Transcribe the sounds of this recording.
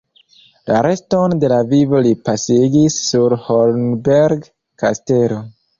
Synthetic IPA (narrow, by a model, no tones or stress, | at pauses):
laɾe̞sto̞nde̞lavivolipasiɡisːuɾholnbeɾɡ | kaste̞lo̞